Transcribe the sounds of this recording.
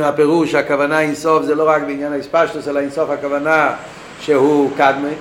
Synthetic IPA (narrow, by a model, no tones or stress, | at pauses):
apɛʁuʃakavanainsɔfzɛːloʁak̚bɪinjanaispaʃtʊsɛlainsɔfhakavana | ʃehuːkad̪me